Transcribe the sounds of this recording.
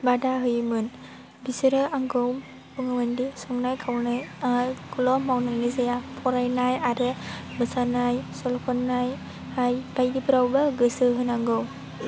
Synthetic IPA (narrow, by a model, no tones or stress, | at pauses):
badaɦɯjmɯn | bisɯɾɯaŋɡɯwm | bɯŋɯmɯndisɔŋnajkʰawnɯjakʰulɔmawnanizajapʰɔɾajnajaɾɯbɯsanajsɔlɔkʰɔnːaj | ajb̥ajdipʰɯɾawbaɡɯsɯɦɯnaŋɡɯwm